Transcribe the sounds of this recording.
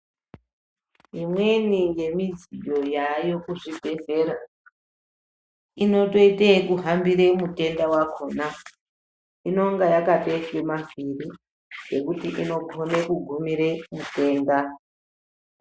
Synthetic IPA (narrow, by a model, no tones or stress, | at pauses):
ɦimwe̞nije̞mid͡zijo̞jajo̞kuʐibʱe̞ze̞ɾa | ino̞to̞itekuɦambiɾe̞mute̞ndawakʰona | ino̞ŋɡajakateswemavʱiri | d͡ʒe̞kutiʔino̞konekuɡʱumiɾemute̞ːnda